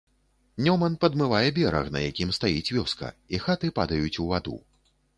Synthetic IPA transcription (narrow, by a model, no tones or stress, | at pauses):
nʲɔmɐnpɐd̪mɨvajɛbʲɛɾɐ̰xnɐ̰jakʲimst̪ajit͡sʲvʲɔskɐ̰ixat̪ɨpad̪ɐjut͡sʲuvad̪ṵ